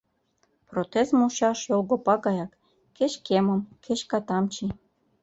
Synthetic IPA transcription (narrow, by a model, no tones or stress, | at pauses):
prot̪ezmuɕɑʃjolɡopɑɡɑjɑk | ket͡ɕkemə̆mkʰeɕkɑt̪ɑmt͡ɕi